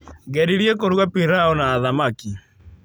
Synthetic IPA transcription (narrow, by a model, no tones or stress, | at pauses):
ɣɛɾiɾjekoɾuɣapiɾaɔnaːðamaki